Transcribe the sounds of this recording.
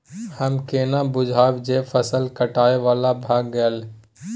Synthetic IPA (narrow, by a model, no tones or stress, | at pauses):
həmkeːnãːbʊd͡ʒʱaːbd͡ʒeːfʰəsəlkəʈaːeʋaːlabʱaːɡːəəl